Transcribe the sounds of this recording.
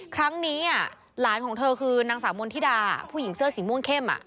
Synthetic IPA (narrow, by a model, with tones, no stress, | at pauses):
kʰɾa˦˥ŋniː˦˥ʔa˥˩ | laː˩˦nkʰɔː˩˦ŋt̪ʰɤː˧kʰɯː˧naː˧ŋsaː˩˦mo˧nt̪ʰiː˥˩aː˧a̰˨˩pʰuː˥˩ji˩˦ŋsɯ˥˩əsi˩˦mu˥˩ə˨ŋkʰe˥˩mʔa̰˨˩ʔ